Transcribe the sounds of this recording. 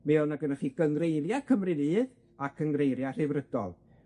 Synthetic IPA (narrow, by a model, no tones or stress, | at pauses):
mɛɔnaɡənaχiɡ̥əŋɡrejɾjakʰəmrɨnɨːð | akʰəŋrejɾjar̥ɨvrəd̥ɔ̰lˠ